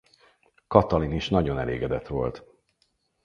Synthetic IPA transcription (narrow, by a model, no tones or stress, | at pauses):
kɒt̪ɒliniʃnɒɟo̞nɛleːɡɛd̪ɛt̪ʋo̞lt̪